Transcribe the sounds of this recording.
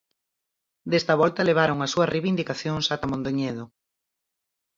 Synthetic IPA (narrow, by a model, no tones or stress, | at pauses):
d̪est̪ɐβɔlt̪ɐleβ̞aɾoŋɐsuɐreβind̪ikaθjoŋsat̪amõnd̪oɲeð̞o